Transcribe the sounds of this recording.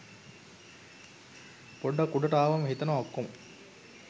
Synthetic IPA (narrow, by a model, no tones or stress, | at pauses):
poɖːɐkuɖɐʈaːʋɐmɦit̪ɐnaokːom